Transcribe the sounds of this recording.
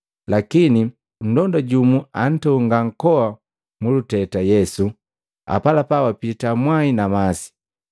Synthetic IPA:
lakini | n̩dɔndaɟumuan̩tɔŋɡaŋ̩kɔwa | mulutɛtajɛsu | a̰palapawapitamwainamasi̥

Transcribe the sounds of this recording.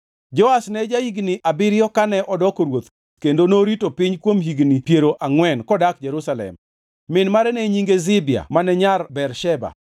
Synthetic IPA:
d͡ʒɔasnɛd͡ʒahiɡniʔabɪɾjɔkanɛʔɔdɔkoɾwot̪ | kendonoɾitopɪɲkwomɦiɡnipjeɾoʔaŋwɛnkɔdak̚d͡ʒɛɾusalɛ̰mː | ɪnmaɾɛnɛɲiŋɡezɪbɪa̰manɛɲarbɛɾʃɛba̰

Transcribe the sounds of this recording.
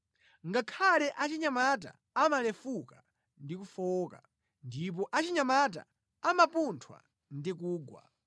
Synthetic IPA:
ŋɡakʰalɛʔat͡ʃiɲamat̬a̰ | amalɛfuka | ndikufɔːka̰ | ndip̬ɔʔat͡ʃiɲamat̬a̰ | amapuntʰwa̰ | ndik̬uːɡwa̰

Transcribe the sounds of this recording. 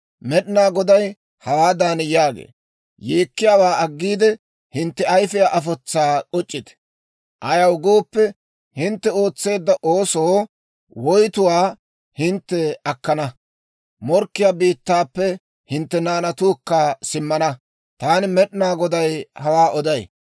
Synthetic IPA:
mɛɗnaːɡɔd̪ɐj | hɐwaːd̪aːnjaːɡḛː | jeːkːɪjaːwaːɐɡːiːd̪ɛ | hɪnt̪ːɛɐjfɛjaʔɐfɔt͡sːaːkʼɔt͡ʃʼːɪt̪ɛ̥ | ʔɐjɐwɡo̞ːpːɛ | hɪnt̪ːɛo̞ːt͡sːe̞ːd̪ːɐʔoːsoː | wɔjt̪ʊwaː | hɪnt̪ːɛɐkːɐnɐ | mɔɾkːɪjaːbiːt̪ːaːpːɛ | hɪnt̪ːɛnaːnɐt̪uːkːasɪmːɐnɐ | t̪aːnɪmɛɗnaːɡɔd̪ɐjhɐwaːʔɔd̪ɐj

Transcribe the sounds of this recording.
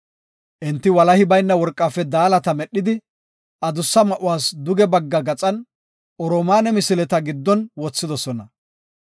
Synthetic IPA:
ʔɛnt̪ːɪwɐlɐhɪbɐjnːɐwɔɾkʼːaːfːɛd̪aːlɐt̪ɐmɛɗːɪd̪ɪ | ʔɐd̪ʊsːɐmɐʔʊwaːsd̪ʊɡɛbɐɡːɐɡɐt͡sʼɐn | ʔɔɾɔːmaːnɛmɪsɪlɛt̪ɐɡɪd̪ːɔnwɔt͡sːɪd̪ɔsɔnɐ

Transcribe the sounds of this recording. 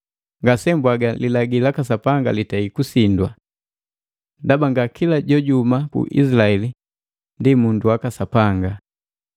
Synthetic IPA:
ŋɡasɛmbwaɡalilaɡilakasapaŋɡa̰litaikusindwa | dabaŋɡakilaɟɔɟumakṵʔḭsilaɛli | ndimunduwakasapaŋɡa

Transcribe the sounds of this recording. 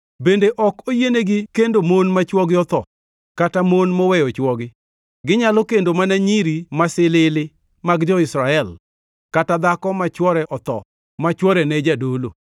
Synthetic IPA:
bendeʔɔkojeneɡɪkendomonmat͡ʃwɔɡɪɔt̪ɔ | katamonmɔwɛjɔt͡ʃwɔɡɪ | ɡɪɲalɔkendomanaɲiɾimasɪlɪlɪ | maɡd͡ʒɔɪsɾaɛl | katad̪akɔmat͡ʃwɔɾɛʔɔt̪ɔ̰ | mat͡ʃwɔɾɛnɛd͡ʒadolo̰

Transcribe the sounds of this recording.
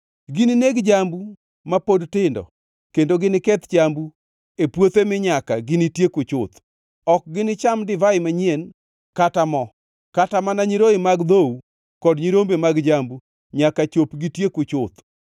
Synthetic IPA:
ɡɪnɪneɡd͡ʒambu | mapodtɪndɔ̰ | kendoɡɪnɪkɛt̪t͡ʃambu | epwot̪emɪɲakaɡɪnɪtjekʊt͡ʃʊt̪ | ɔk̚ɡɪnɪt͡ʃamdɪvaɪmaɲen | katamɔ | katamanaɲiɾoɪmaɡd̪ow | kɔdɲiɾombemaɡd͡ʒambu | ɲakat͡ʃopɡɪtjekʊt͡ʃʊt̪

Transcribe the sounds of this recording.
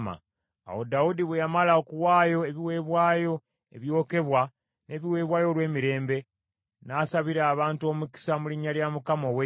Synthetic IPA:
ma̰ | a̰wo̞daudiβwejamalaokuwaːjo̞e̞βiwe̞ːβwaːjo̞ | eβjo̞ːke̞βwa | ne̞βiwe̞ːβwaːjo̞lwe̞ːmiɾe̞ːmbe̞ | nasaβiɾaːβaːntuo̞ːmuki̥samuliɲːaljamukamo̞we

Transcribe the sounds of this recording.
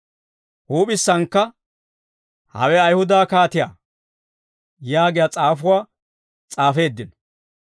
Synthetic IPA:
huːpʼɪsːɐŋkːɐ | hɐ̰wɛɐjhʊd̪aːkaːt̪ɪja̰ː | jaːɡɪjat͡sʼaːfʊwaː | t͡sʼaːfe̞ːd̪ːɪnɔ

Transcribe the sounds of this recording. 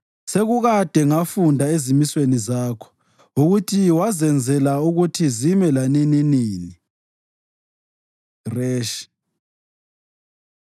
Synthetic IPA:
seɣuɣad̥ʱɛŋafundʱaezimiswenizaːkʰɔ̥ | uɣutʰiwazɛnd͡zʱɛlauɣutʰizimɛlanininiːni | rɛːʃ

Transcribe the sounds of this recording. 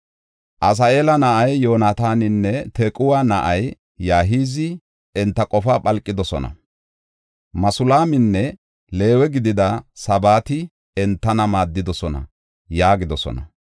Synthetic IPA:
ʔɐs̬ɐʔe̞ːlɐnɐʔɐjjo̞ːnat̪aːnɪnːɛt̪ʰɛkʼʊwanɐʔɐj | jaːɦiːzɪ | ɛnt̪ːɐkʼɔfapʼɐlkʼːɪd̪ɔsɔnɐ̰ | mɐsʊlaːmɪnːɛ | le̞ːwɛɡɪd̪ɪd̪ɐsɐbaːt̪ɪ | ɛnt̪ːɐnɐmaːd̪ːɪd̪ɔsɔnɐ̰ | jaːɡɪd̪ɔsɔ̰nɐ

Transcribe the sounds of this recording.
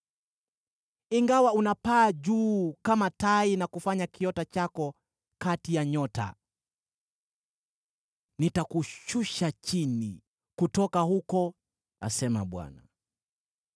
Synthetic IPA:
iŋɡawaunapaːʄuːkamatainakufaɲakiɔtat͡ʃakɔ | katijaɲɔta̰ | nitakuʃuʃat͡ʃinḭ | kutɔkahukɔ | a̰sɛma̰ɓwa̰na̰

